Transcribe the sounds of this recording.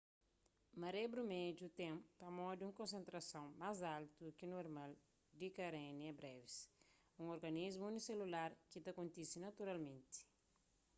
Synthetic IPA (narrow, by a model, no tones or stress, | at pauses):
mɐɾebɾumed͡ʒut̪ẽmpɐmɔd̪iũŋkõnsẽnt̪ɾɐsɐ̃w̃mazalt̪ukinoɾmal | d̪ikɐɾẽniɛbɾɛvis | ũŋoɾɡɐnizmuuniselulaɾkit̪ɐkõnt̪isinɐt̪uɾalmẽnt̪i̥